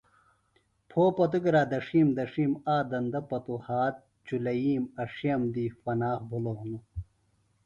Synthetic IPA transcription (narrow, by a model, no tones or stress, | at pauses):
pʰoːpɐt̪̬ukɾaːd̪ɐʂiːmd̪ɐʂiːmaːd̪ɐnd̪ɐpɐt̪uhaːt̪̚ | t͡ɕulɐjiːmɐʂijɐmd̪ifɐnaːχbʱulonu